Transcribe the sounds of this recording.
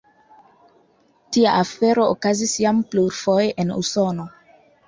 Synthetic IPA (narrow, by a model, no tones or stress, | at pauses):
tia̰ʔafe̞ɾo̞okazisjampluɾfo̞jʔe̞nṵso̞no̞